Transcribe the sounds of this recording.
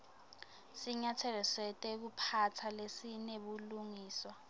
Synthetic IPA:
siɲatʰɛlɛsɛtʼɛk̬upʰatʰalesineɓuluŋiːswa

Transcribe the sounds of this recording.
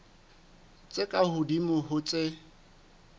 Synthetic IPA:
t͡sʼɪkʼahʊdimʊɦʊt͡sʼɪ

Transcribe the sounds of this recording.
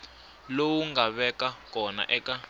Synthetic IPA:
lowuŋɡaβɛkakʼɔna̰ʔɛka

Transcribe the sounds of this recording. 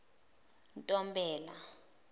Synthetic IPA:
ntʼɔmbɛːla

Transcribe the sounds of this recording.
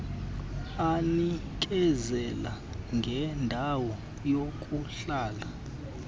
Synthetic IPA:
anikʼɛzɛla | ŋɡʱɛndʱawɔ | jokʼuɬaːla

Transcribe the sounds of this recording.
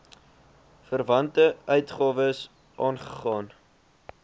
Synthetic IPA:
fərvɐntəœɥtχɑːvəs | ʔɑːnχə̥χɑːn

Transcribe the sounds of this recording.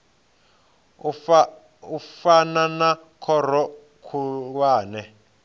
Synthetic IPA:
ufananakʰɔɾ̤ɔ | kʰuk̬waːnɛ

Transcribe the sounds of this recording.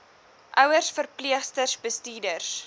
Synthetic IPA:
ʔœwərsfərpliəχstərsbəstiːdərs

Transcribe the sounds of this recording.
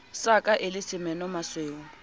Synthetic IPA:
sakʼaʔɪlɪsɪmɛnɔmasweːŋ̩

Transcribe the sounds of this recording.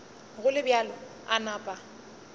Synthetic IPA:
ɣʊlɪbjalɔ | anaːpʼa

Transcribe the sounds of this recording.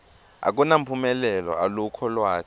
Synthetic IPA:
a̰k̬unam̩pʰumɛlɛlɔ̰alukʰɔlwaː

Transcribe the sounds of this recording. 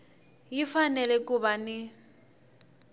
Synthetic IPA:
jifanɛlɛkʼuβanɪ

